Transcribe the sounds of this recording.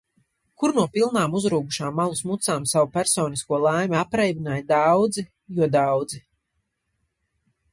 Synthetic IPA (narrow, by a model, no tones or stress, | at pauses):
kuɾnuɔpilˠnaːmuzɾuːɡuʃaːmːalˠusmut̪saːmsawupʲæɾsɔːniskuɔlˠajmʲapɾɛjbinaːjd̪awd̪zi | juɔd̪awd̪zi